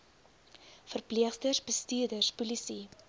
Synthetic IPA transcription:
fərpliəχstərsbəstyːrdərspulisi

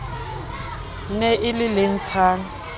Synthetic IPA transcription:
nɛʔɪlɪlen̩t͡sʰaːna

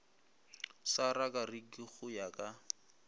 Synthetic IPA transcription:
sarakʼarikiχʊjakʼa

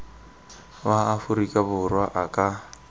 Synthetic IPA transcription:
βaːfʊɾikʼabʊrwaʔakʼa

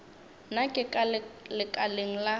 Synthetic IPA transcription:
nakʼɪkʼalɪkʼaleŋ̩la

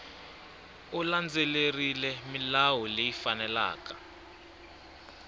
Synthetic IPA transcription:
uland͡zelerilɛmilawɔlejifanɛla̰ːka

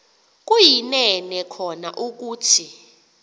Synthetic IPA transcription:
k̬ʼujinɛnɛkʰɔnaʔuk̬uːtʰi

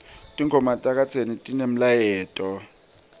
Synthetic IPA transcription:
tʼiŋʱɔmatʼak̬ʼat͡sʰenitʼinem̩lajɛːtʼɔ

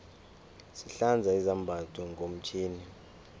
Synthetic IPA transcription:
siɬand͡zʱaizambʱatʰʼɔŋɡʱom̩t͡ʃʰiːni

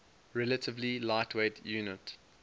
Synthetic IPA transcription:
ɹɛlətʰəvlilaɪtʰweɪdjʉːnət

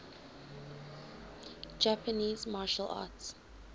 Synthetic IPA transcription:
d͡ʒapəniːzmaːʃəlʔa̰ːts

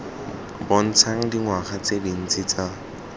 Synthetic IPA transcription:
bʊn̩t͡sʰaŋ̩diŋwaχat͡sedin̩t͡sʼɪt͡sa

